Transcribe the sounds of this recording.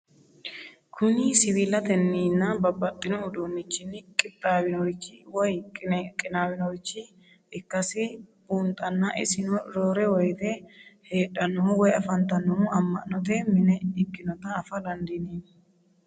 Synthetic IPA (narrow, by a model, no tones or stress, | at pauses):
kʰʊnɪsɪwiːlɐt̪ɛnːiːnːɐbɐbːɐt̪ʼːɪnɔʊd̪oːnːɪt͡ʃːɪnɪkʼɪt̪ʼːawɪnɔt͡ʃːɪwɔjʼɪkʼɪnaːwɪnɔt͡ʃːɪ | ɪkːɐsɪbuːnt̪ʼɐnːɐʔɪ̰sɪnɔɾoːɾɛwɔjt̪ɛhe̞ːᶑɐnɔhʊwɔjɐfɐnt̪ɐnɔhʊɐmːɐ̰ʔnɔt̪ɛmɪnɛɪkʼːɪnɔt̪ɐːfɐlɐnd̪ɪneː